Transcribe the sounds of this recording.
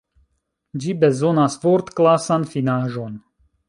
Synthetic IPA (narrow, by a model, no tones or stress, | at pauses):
d͡ʒibe̞zo̞nasvo̞ɾt̪klasanfinaʒo̞n